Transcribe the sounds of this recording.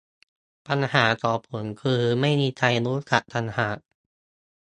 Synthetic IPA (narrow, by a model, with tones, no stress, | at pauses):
pa˧nhaː˩˦tɔː˨˩pʰːo˩˦nkʰɯː˧ma˥˩jmiː˧t̪ʰa˧jɾuː˦˥ka˨˩ʔt̪ʰa˧nhaː˨˩˦